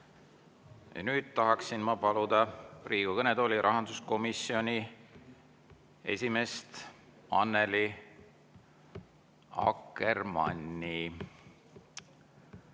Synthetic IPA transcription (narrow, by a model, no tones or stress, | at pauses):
jɑ̰nyːd̪̥̚t̪ɑɦɑksinmɑpɑlud̪̥ɑriːɡ̥ukɤned̪o̞ːlʲiɾʔɑɦɑnd̪usko̞misio̞nʲi | e̞̰sʲime̞st̪ | ɑnːe̞li | ɑ̰kːermɑ̰nʲːi